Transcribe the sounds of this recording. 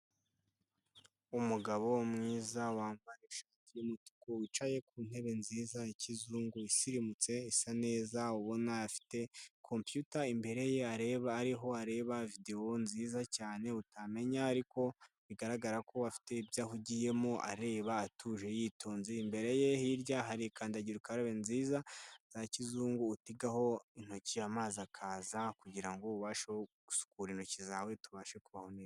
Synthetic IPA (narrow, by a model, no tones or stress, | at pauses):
umuɡaβo̞mŋiːzawaːmbaɾeʃaːtijumutu̥kowit͡ʃaje̞kuːn̥he̞βe̞nziːzaicizuːŋɡuisiɾimut͡se̞isane̞ːzauβo̞naafi̥te̞kʰo̞mpjutaimbe̞ɾe̞je̞aɾeβaːɾiɦo̞aɾe̞βavide̞o̞nziːzacaːne̞utame̞ɲaːɾiko̞ | βiɡaɾaɡaɾakʰo̞afi̥te̞ibjaːhuɟije̞moʔa̰ɾe̞ːβaːtʰuʒe̞jiːtʰo̞ːnziimbe̞ɾe̞je̞hiɾɟaɦaɾikaːndaɟiɾukaɾoβenziːzaz̥acizuːŋɡuːtiɡaho̞in̥ho̞ciamaːzakʰaːzakuɟiɾaŋɡouβaːʃeɡu̥su̥kuɾinho̞cizaːwe̞tuβaːʃekuβaho̞ne